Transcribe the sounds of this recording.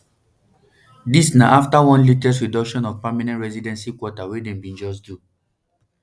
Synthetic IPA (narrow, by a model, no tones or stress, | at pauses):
disnaʔaftawɔ̃nlitɛsɹidɔkʃɔ̃nɔvpamanɛ̃ntɹɛzidɛ̃nsikwɔtawedɛ̃mbĩnd͡ʒɔs̬du